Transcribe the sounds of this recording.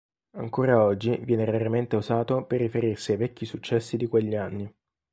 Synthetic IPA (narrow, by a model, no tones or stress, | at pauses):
aŋkoːɾaɔd͡ʒːivjɛːneɾeɾament̪euzaːt̪operːifeɾirsiajvɛkːisut͡ʃːɛsːid̪ikweʎːianːi